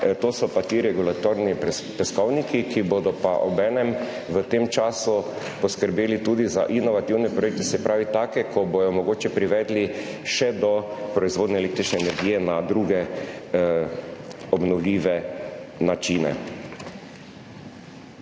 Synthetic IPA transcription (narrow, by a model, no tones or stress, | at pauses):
t̪oːsɔpat̪iɾɛɡulat̪oɾnipɛskɔwnikikibod̪ɔpaʔɔbɛːnɛm | ʋət̪emt͡ʃaːsu | pɔskəɾbeːlit̪uːd̪iza̰ʔinɔʋat̪iwnɛpɾɔjek̚t̪ɛsɛpɾʔaːʋit̪aːkɛkʰɔbɔjɔmɔɡoːt͡ʃɛpɾiʋɛːd̪li | ʃɛd̪ɔpɾɔizʋoːd̪nɛːleːkt̪ɾit͡ʃnɛɛnɛɾɡiːjɛnad̪ɾuɡɛ | ɔbnɔwliːʋɛnat͡ʃiːnɛ̰